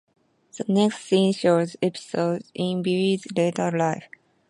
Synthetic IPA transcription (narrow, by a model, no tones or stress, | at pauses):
ð̥ənɛkstsĩnʃozɛpi̥soʊdĩnbiɹizletə˞laɪf